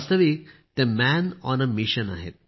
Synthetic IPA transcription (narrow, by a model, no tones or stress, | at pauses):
st̪əʋik̚t̪ẽmænɔ̃nəmiʃəna̰ɦḛt̪̚